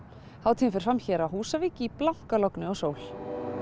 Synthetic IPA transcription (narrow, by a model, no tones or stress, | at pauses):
haːwt̪ʰiːɪfɪɾ̥fɾamçɛːɾaɦuːsaviːcɪːplawŋ̥kalɔknɪɔsoːwl